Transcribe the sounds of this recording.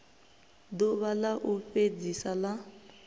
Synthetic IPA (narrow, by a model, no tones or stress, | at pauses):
dɔβalaʔuɸed͡zisala